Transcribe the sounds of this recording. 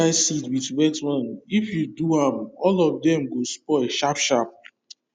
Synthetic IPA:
aɪsidwitwɛtwãnifjuduãmɔlɔvdɛ̃mɡospɔɪʃapʃap̚

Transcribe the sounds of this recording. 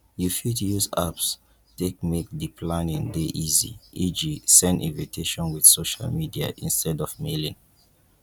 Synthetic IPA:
jufitujuza̰ps | tek̚mek̚dipʰlãnĩŋdeʔizḭid͡ʒisɛ̃ndḭ̃nvitʰeʃɔ̃nwið̥soʃa̰lmidia̰ʔḭ̃nstʰɛdɔvmelĩŋ

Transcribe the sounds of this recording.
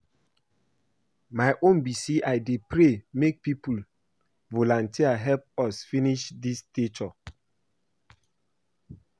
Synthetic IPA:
majʔõnbisiʔajdepɹemek̚pipul | volɔ̃ntiaɦɛlp̚ɔsfĩniʃdistet͡ʃɔ

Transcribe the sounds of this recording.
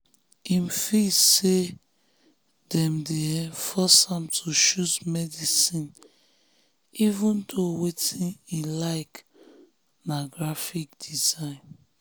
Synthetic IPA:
imfise | dɛ̃mdeɛ̃fɔsãmtʰuʃuzmɛdisĩn | ivũndowetĩnilaɪk | naɡɹafik̚d̥izãɪ̃n

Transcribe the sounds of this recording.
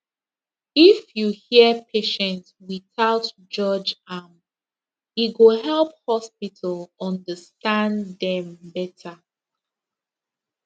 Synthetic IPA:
ifjuhiəpʰeʃɛ̃ntswiθaʊt | d͡ʒɔd͡ʒam | iɡoɦɛlˠp̚hɔspitʰəlɔ̃ndəstãnddɛ̃mbɛtʰə

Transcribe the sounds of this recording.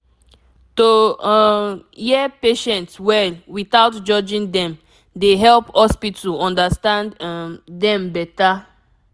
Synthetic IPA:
to | jɛpeʃɛ̃ntswɛwiθaʊtd͡ʒɔd͡ʒĩŋdɛ̃m | deɦɛlphɔspitʰɔ̃ndastãnddɛ̃mbɛta

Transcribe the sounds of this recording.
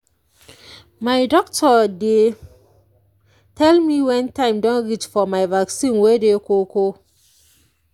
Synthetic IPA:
maɪdɔk̚tʰɔde | tʰɛlmiwɛ̃ntãɪ̃mdɔ̃nɾit͡ʃfɔmaɪvaksĩnwedekoko

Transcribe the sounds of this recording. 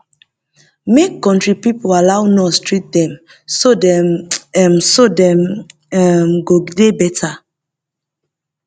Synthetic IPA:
mekkːɔ̃ntɹipipoalawnɔstɹit̚dɛ̃m | sodɛɛmsodɛ̃m | ɛmɡoɡdebɛtʰa

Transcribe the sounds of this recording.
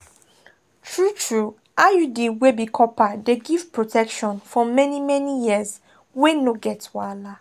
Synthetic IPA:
tʰɹutʰɹu | ajudiwebikʰɔpadeɡiv̥pɹotʰɛkʃɔ̃nfɔmɛnimɛnijiz | wenoɡɛtwala

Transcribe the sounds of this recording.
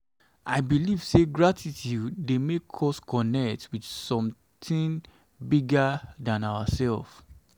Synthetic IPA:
ʔaɪbiliv̥seɡɹatitudemekʰɔskɔnɛktwidsɔ̃m | tĩŋ | biɡadãnawasɛlf

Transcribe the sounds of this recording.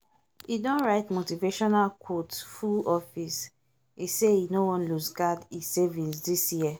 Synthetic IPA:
idɔ̃nɹaɪtmotiveʃɔnalkʰotfuɔfis | iseinowɔ̃nlusɡadisevĩnsdisjiɛ

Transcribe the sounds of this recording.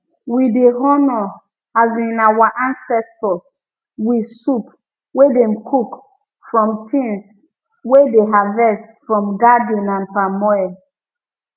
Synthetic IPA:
wideɦɔnɔ | azĩnawaʔãnsɛstɔs | wisup | wedɛ̃mkʰuk | fɹɔ̃mtʰĩns | wedeɦavɛstfɹɔ̃mɡadĩnãnpamɔɔ

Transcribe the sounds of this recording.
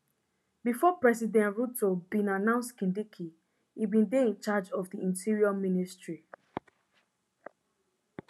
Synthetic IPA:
bifɔpɹɛsidɛ̃ntɹutobĩnanãʊ̃nstkĩndikʰi | ibĩndeĩnt͡ʃad͡ʒɔvdiĩntʰiɹiamĩnistɹi

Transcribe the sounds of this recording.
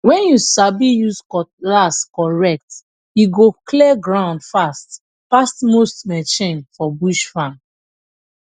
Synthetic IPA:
wɛ̃njusabijuskɔlaskɔɹɛk̚t | juɡokʰlɛɡɹãʊ̃ndfast | pastmostmɛt͡ʃẽnfɔbuʃfãn

